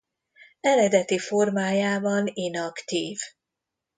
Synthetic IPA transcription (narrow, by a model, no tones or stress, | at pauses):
ɛɾɛd̪ɛt̪ifo̞rmaːjaːbɒninɒkt̪iːv